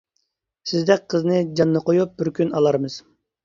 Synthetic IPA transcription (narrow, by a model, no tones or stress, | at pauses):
sɪzd̪ɛk̚ʲqʰəznɨd͡ʒɑnːɨqʰojup̚b̥ɪɾkʲʰynɑlˠɑɾmɨz̥